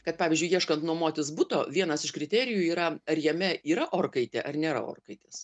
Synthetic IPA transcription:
kɐt̪̚pɑːʋʲɪzʲd͡ʒʊɪjiɛʃkɐnt̪nuɔmoːt̪ʲɪsbʊt̪oːʋʲiɛnɐsɪʃkɾʲɪt̪ʲæːɾʲɪjuiːɾɐɐrjɛmʲɛʔiːɾɐʔoːrkɐɪt̪ʲɛʔɐrnʲeːɾɐ̰o̰ːrkɐɪt̪ʲes

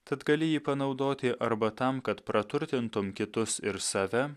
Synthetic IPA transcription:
t̪ɐt̪ɡɐlʲɪjiːpɐnɒʊd̪oːt̪ʲɪʔɐɾbɐt̪ɐmkɐt̪pɾɐt̪ʊɾʲt̪ʲɪnt̪ʊmkʲɪt̪ʊsɪɾsɑːʋʲɛ

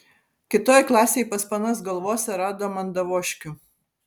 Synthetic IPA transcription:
kʲɪt̪oːjklˠɑːsʲejpɐspɐnɐs̬ɡɐlˠʋoːsʲɛɾɑːd̪oːmɐnd̪ɐʋoːʃʲkʲʊ

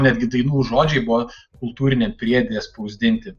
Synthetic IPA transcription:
nʲɛd̪ʲɡʲɪd̪ɐɪnuːʒoːd͡ʒʲɛɪbʊʋɔkʊlˠt̪uːɾʲɪnʲeːmpʲɾʲiɛd̪ʲejɛspɐʊzʲd̪ʲɪnʲt̪ʲɪ

